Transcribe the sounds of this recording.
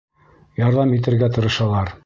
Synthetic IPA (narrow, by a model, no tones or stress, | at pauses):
jɑɾðɑmit̪̬ɘ̆ɾɡæt̪ɤ̆ɾɤ̆ʃɑlˠɑɾ